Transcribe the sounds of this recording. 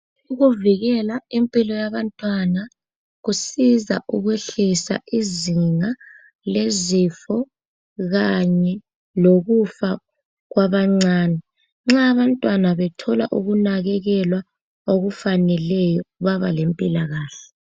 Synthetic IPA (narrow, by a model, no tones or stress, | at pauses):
uɣuviɣɛlaimpʼilɔjaβantʼwana | ɣusiza̰ʔuɣweɬisa̰ʔiziŋa | lezifɔ | ɣaɲɛ | loɣufa | ɣwaβaŋ͡ǀaːnɛ | ŋ͡ǁaːβantʼwanaβɛtʰɔla̰ʔuɣunaɣɛɣɛlwa | oɣufanɛlɛjɔβaβalempʼilaɣaːɬɛ